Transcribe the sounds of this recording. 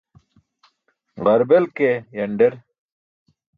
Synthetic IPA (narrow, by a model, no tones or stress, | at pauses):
ʁɐɾbelkejɐɳɖeɾ